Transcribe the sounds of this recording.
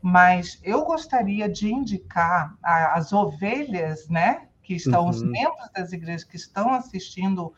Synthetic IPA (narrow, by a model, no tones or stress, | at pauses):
mɐsewɡost̪aɾiɐd͡ʒɪĩnd͡ʒikaɾaːzoveʎɐsnɛkɪɪst̪ɐ̃w̃ʊzmẽmbɾʊzd̪ɐziɡɾeʒɐskɪːst̪ɐ̃w̃asist͡ʃĩnd̪ʊ